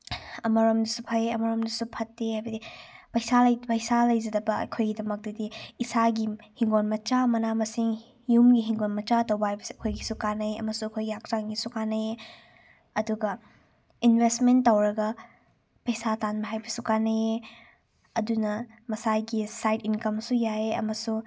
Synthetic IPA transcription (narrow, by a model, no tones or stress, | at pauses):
ɐmɐɾomdusupʰɐeɐmɐɾomdusupʰɐtːehajbɐdipɐjsaljpɐjsalɐjd͡ʒɐdɐbɐɐ̰kʰojɡidɐmɐk̚dɐdiːsaɡihiŋɡonmɐt͡ʃamɐnamɐsiŋ | jumɡiɦiŋɡonmɐt͡ʃatɐwbɐɦajbɐsuɐkʰojɡisukanɐeɐ̰mɐsuɐkʰojɡijak̚taŋɡisukanɐje | ɐduɡɐ | inbʱestmentːɐwɾɐɡɐ | pɐjsatanmɐɦajbɐsukanɐe | ɐdunɐ | mɐsajɡisajtinkɐmsujaeɐ̰mɐsu